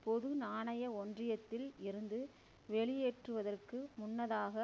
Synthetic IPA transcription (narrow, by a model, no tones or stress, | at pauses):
pɔðɯnaːɳɐjɐɔndrɪjɐt̪ːɪlɪɾɯnd̪ɯ | ʋɛɭɪjeːʈrɯʋɐðɐrkɯmʊnːɐðaːɣɐ